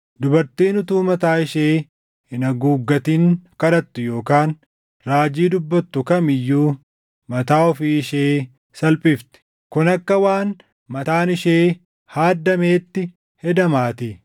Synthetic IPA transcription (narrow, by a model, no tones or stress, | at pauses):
d̪ʊbɐɾt̪iːnʊt̪uːmɐt̪aːɪʃeː | ɪnɐɡuːɡːɐt̪iːŋkɐɾɐt̪ːʊjo̞ːkaːn | ɾaːd͡ʒiːd̪ʊbːɐt̪ːʊkɐmɪjːuː | mɐt̪aːɔfiːɪʃeː | sɐlpʼɪft̪ɛ̥ | kʊnɐkːɐwaːn | mɐt̪aːnɪʃeː | haːd̪ːɐmeːt̪ːɪ | hɛd̪ɐmaːt̪ɪ